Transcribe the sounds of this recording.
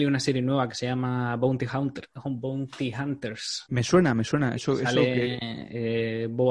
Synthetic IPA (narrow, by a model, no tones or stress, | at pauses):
liunaseɾjenweβake̥sejamabownt̪ihawnt̪eɾxombownt̪ihant̪eɾsmeswenameswenaesoealee | bo